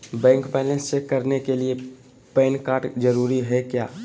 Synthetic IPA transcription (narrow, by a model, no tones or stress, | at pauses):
bɛ̃ːŋkpɛːlẽnssekəɾnekelie | pɛːnkaːɾʈd͡ʒəɾuɾiɦɛkja̰ː